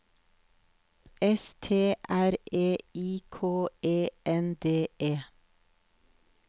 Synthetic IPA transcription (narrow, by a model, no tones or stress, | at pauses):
ɛst̪ʰeːʔæɾʔeːiːkʰoːeːʔɛnd̪eːʔeː